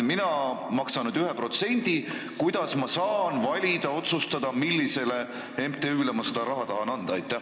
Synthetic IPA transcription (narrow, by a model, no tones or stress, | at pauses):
minɑmɑksɑnud̪yɦepro̞t̪se̞nʲd̪̥i | kujd̪̥ɑsmɑsɑːnvɑlʲid̪̥ɑo̞t̪sust̪ɑd̪̥ɑmilːise̞le̞ | e̞mt̪eyːlemɑsed̪̥ɑɾɑɦɑt̪ɑɦɑnɑnd̪̥ɑɑjt̪ˑːæ